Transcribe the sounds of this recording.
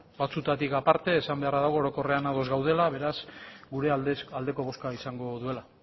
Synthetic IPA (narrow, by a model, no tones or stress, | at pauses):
bat͡sut̪at̪ikapaɾt̪e̞ːsambe̞araðaɣ̞ooːɾoko̞re̞anaðo̞zɣawðe̞laβe̞ɾazɡuɾe̞ald̪e̞ko̞β̞o̞skaisaŋɡo̞ðue̞la